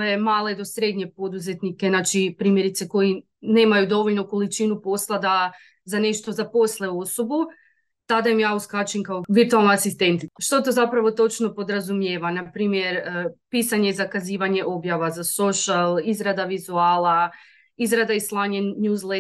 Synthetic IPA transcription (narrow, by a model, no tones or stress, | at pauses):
e̞maːled̪o̞sɾe̞d̪ɲe̞po̞d̪uze̞t̪nike̞nat͡ʃipɾiːmje̞ɾit̪se̞ko̞ji | ne̞ːmajud̪o̞ʋo̞ʎnoko̞lit͡ʃinupo̞slˠad̪a | zane̞ʃt̪o̞zapo̞slˠe̞o̞so̞bu | t̪ad̪aimjaːuskat͡ʃiŋkaoʋiɾt̪ualˠnoasist̪e̞nt̪iʃt̪ot̪o̞zapɾaʋo̞t̪o̞t͡ʃno̞po̞d̪ɾazumjeːʋanapɾiːmje̞ɾpisaɲe̞izakaziːʋaɲe̞ʔo̞bjaʋazaso̞ʃalizɾad̪aʋizuaːla | izɾad̪aislˠaːɲennuːzle